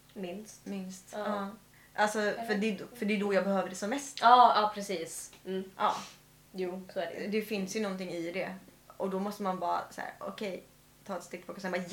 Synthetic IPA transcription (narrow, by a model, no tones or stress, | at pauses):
mɪnsmɪnst̪ɑ | ʔalsɔfœdɛd̪fœɖɛd̪ɔjɑːɡbɛhøːvəɖɛsɔmːɛst̪ɑːɑːpʰɾɛsiːsʔɑ̰ː | juːsd̪ɛfɪnsjɵnɔnt̪ɪŋːɪd̪ɛ | ʔɔd̪ɔmɔst̪əmanbɑːɾa̰sæ̰ːɾɔ̰kʰɛj | t̪ʰɑːɛt̪st̪ɪk̪̚ːpʰɔkːɔsɛnbɑːj